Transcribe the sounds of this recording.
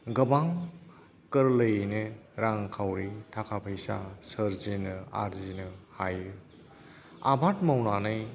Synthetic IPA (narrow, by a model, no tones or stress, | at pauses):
ɡɐbaŋ | kɯɾlɐjneɾaŋkʰawɾitʰakʰapʰəjsasɐɾzinɯa̰ɾzinɯhajɯ | a̰bʱatmawnanɯj